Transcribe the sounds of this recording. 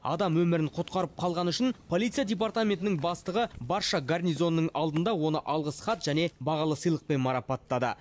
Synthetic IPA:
ɑ̰d̪ɑmwɵmɪɾɪnqʰot̪̚qɑɾəp̚qʰɑlˠʁɑnʏʃɪnpʰo̞lʲˠijt̪sɨjadʲep̬art̪amʲe̞nt̪ɪnɪŋbɑst̪əʁəbɑɾʃɑɡarnijzo̞nːəɴɑlˠd̪ənd̪ɑwo̞nəʔɑlˠʁəsχɑt̪ʒ̥æne̞bɑʁɑlˠəsəjlˠəq̚pe̞nmɑɾɑpɑt̪ːɑd̪ə̰

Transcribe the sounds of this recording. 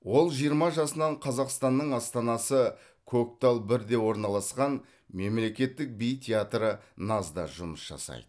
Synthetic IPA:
wo̞lˠʒijəɾmɑʒɑsənɑɴqʰɑzɑqst̪ɑnːəɴɑst̪ɑnɑsə | kʰok̚t̪alˠbɪɾd̪e̞wo̞ɾnɑlˠɑsqɑn | me̞mle̞kʲe̞t̪ːɪk̚bijt̪ʲʰeat̪ɾənɑzd̪ɑ̰ʒʊməsʒ̥ɑ̰sɑ̰jd̪əə

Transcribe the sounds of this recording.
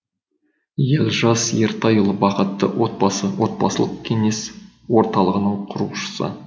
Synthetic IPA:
jelʒɑsjeɾt̪ɑjəlˠəbɑqət̪ːə̰wot̪̚bɑsəwo̞t̪̚bɑ̰səlˠəq̚kʲʰe̞ŋe̞s | wo̞ɾt̪ɑlˠəʁənəŋqʰʊɾuʃə̥sə̰

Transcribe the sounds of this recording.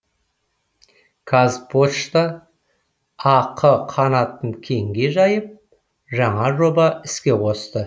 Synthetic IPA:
kʰazpʰoʃt̪ɑ | qʰəqʰɑnɑt̪əɴkʲʰe̞ŋɡʲe̞ʒɑjəp̚ | ʒɑɴɑʒo̞bɑɪskʲe̞qʰo̞st̪ə

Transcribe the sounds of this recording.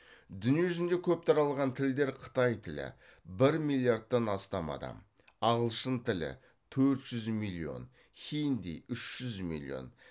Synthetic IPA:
d̪ʏnije̞ʒʏzɪnd̪e̞kʲʰɵp̚t̪ʰɑɾɑlˠʁɑnt̪ʰɪld̪e̞ɾqʰə̥t̪ɑjt̪ʰɪlɪ̰ | bɪɾmilʲˠijard̪̚t̪ːɑnɑst̪ɑmɑ̰d̪ɑ̰m | ɑʁəlˠʃənt̪ʰɪlɪ̰ | t̪ʰɵɾt̪ʒ̥ʏzmilʲˠio̞̰n | kʲejnd̪ḭʏʃʒ̥ʏzmḭlʲˠḭo̞̰n

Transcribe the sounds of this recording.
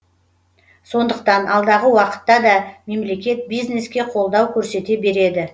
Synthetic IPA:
so̞nd̪əq̚t̪ɑnʔɑlˠd̪ɑʁəwɑqə̥t̪ːɑd̪ɑme̞mle̞kʲe̞t̪̚bijzne̞skʲe̞qʰo̞lˠd̪ɑwkʲʰɵɾse̞t̪e̞be̞ɾe̞d̪ɪ

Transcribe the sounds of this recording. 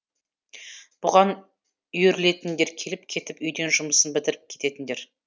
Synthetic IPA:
b̥ʊʁɑn | ʏjeɾle̞t̪ɪnd̪e̞ɾkʲʰe̞lɪp̚kʲʰe̞t̪ɪpʏjd̪e̞nʒʊməsənbɪt̪ɪɾɪp̚kʲʰet̪e̞t̪ɪnd̪e̞ɾ

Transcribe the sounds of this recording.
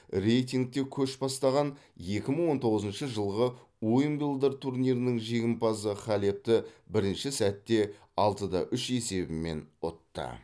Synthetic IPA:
re̞jt̪ʲiŋɡ̚t̪e̞kʲʰɵʃbɑst̪ɑʁɑnje̞kʲɪməɴwo̞nt̪ʰo̞ʁəzənʃəʒəlˠʁə | ojəmbilˠd̪əɾt̪ʰurnʲijɾɪnɪŋʒe̞ɡʲɪmpɑsəχælep̚t̪ɪbɪɾɪnʃɪsæt̪ːe̞ | ɑlˠt̪əd̪ɑ̰ʔʏʃe̞se̞bɪme̞̰nʊ̰t̪ːə̰

